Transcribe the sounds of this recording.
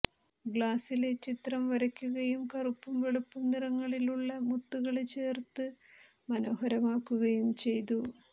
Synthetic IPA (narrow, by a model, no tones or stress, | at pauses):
ɡɭaːsile̞t͡ɕit̪rɐmʋɐɾɐkʲːuɣɐjumkɐrupːumʋeɭupːumnirɐŋːɐɭiluɭːɐmut̪ːuɣɐɭet͡ɕe̞ːrt̪ɨ | mɐno̞ːhɐɾɐmaːkːuɣɐjumt͡ɕe̞jt̪̬u